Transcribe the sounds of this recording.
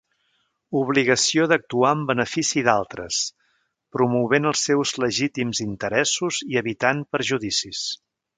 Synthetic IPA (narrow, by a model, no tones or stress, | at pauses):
uβ̞liɣəsioðək̚t̪uaəmbənəfisiðalˠt̪ɾə̰s | pɾumuβenəlˠsːɛwzləʒit̪imzint̪əɾɛsuziəβit̪anpəɾʒuðisis